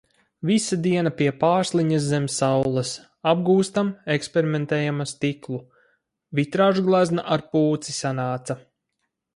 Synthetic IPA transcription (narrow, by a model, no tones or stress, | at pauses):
visad̪iɛnapiɛpaːɾslˠiɲaszemʲsawlˠɐs | ab̚ɡuːst̪amekspeɾimẽnt̪ɛːjamast̪iklˠu | vit̪ɾaːʒuɡlˠaznaʔaɾpuːt̪sisanaːt̪sa